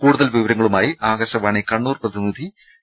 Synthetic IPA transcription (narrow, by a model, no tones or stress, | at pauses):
kuːɽuðɐlʋiʋɐɾɐŋːɐɭumaːjiʔaːɡɐɕɐʋaːɳekɐɳːuːrprɐðinːid̪ʱi